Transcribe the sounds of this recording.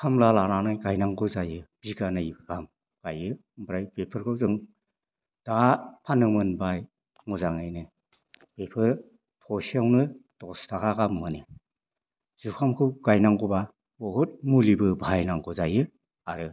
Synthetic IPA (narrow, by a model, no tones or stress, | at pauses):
kʰamlalananajɡajnaŋɡɯzajɯb̥iɡanajbɯɡam | ɡ̥ajɯ | bɾajpepʰɯɾkʰɯwzɯŋ | d̥apʰanɯmɯnbaj | ŋuzaŋajnɯ | pepʰɯɾ | tʰɔsiawnɯd̥ɔstʰakaɡamːɯni | z̥ukʰamkʰɯwɡajnaŋɡɔba | ɔhut̚mulibɯbʱajnaŋɡɔzajɯ | aɾɯ